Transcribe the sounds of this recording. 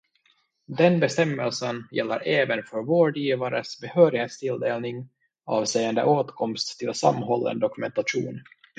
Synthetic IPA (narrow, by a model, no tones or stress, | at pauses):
d̪ɛnbɛst̪ɛmːəlsənjɛlːə̰ɾʔɛːvənfœɾvoːɖiːvaɾəsbɛhøːɾɪheːt̪st̪ʰɪld̪eːlnɪŋ | ɑːvsejənd̪ə̰ʔoːt̪kʰɔmst̪ʰːɪlsa̰mːɦɔlːə̰nd̪ɔkɵmɛnt̪aɧṵːn